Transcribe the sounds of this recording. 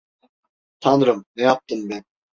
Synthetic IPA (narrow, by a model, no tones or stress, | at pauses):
t̪ʰɑnɯɾɯmnejɑp̚t̪ɯmben